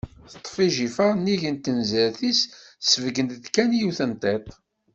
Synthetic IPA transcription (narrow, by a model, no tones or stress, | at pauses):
θət̪ˤːfiʒifəʁnːiʝənt̪ːənzəɾθissəvəɡənt̪ðkænjuθənt̪ˤet̪ˤ